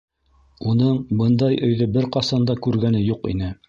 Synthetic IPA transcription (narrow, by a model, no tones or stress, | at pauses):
unɤɴbɤnd̪ɑjɵ̆jðɵbɘɾqɑsɑnd̪ɑkʉɾɡænɘjuqḭnɘ